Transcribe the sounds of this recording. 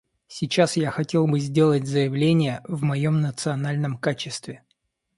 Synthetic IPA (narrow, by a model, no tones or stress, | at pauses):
sʲɪt͡ɕasjaxɐtʲe̞lˠbɨzʲdʲe̞lˠət̚ʲzəjɪvlʲenʲɪjəvmɐjo̞mnət̪sɨɐnalʲnəmkat͡ɕɪst̪vʲɪ